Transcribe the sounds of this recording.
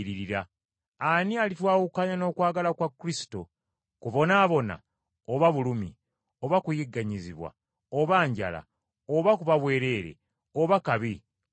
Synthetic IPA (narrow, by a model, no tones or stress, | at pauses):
ɾiɾiɾaː | nialitwaːwukaːɲano̞ːkwaːɡalakwakːuɾisi̥to | kuβo̞naːβo̞na̰ | oβaβulumi | o̞βakujiɡːaɲiziβwa̰ | oβaːɲɟa̰la̰ | oβakuβaβwe̞ːɾe̞ːɾe̞̰ | oβakaβi